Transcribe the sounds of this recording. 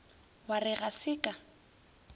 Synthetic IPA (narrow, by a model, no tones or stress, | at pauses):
warɪɣasɪkʼa